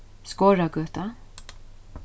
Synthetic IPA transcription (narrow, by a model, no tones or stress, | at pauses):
skoːɹaɡœːt̪a